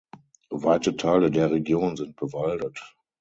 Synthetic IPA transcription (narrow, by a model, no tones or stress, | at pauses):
vaɪtətʰaɪlədeːɐʁeɡjoːnzɪnt̚b̥əvaldət